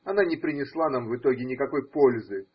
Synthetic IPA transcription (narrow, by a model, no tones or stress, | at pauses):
ɐnanʲɪpɾʲɪnʲɪslˠanamvɨt̪o̞ɡʲɪnʲɪkɐko̞jpo̞lʲzɨ